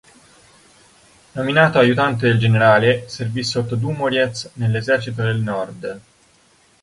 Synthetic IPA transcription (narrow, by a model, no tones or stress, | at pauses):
nominaːt̪oajut̪ant̪ed̪eld͡ʒeneɾaːleservisːot̪ːod̪uːmoɾjet̪snelːezɛrt͡ʃit̪̬od̪elnɔrd̪